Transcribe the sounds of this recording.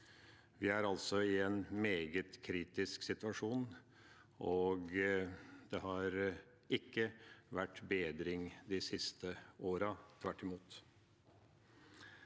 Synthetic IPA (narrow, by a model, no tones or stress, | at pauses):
ʋɪæɾɑlsɔɪɛnmeːɡət̪kʰɾiːt̪ɪsksɪt̪ʉɑʂuːn | ʔɔɡ | d̪̥ɛɦɑɾ | ɪkːəʋæʈːbeːd̪ɾɪŋd̪ɪsɪst̪ʰəoːɾɑt̪ʰʋæʈːɪmuːt̪